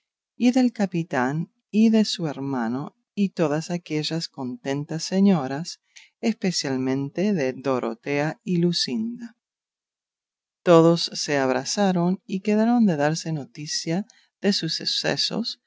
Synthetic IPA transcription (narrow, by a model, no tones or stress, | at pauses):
iðe̞lkapit̪an | iðe̞sueɾmano | it̪oðasakeʒasko̞nt̪e̞nt̪asːeɲoɾas | espesjalmẽ̞nt̪eðeðo̞ɾʔo̰t̪eailusind̪a | t̪oðosːeaβ̞ɾasaɾo̞nikeðaɾo̞nd̪e̞ðaɾse̞no̞t̪isja | ðesuseksḛso̰s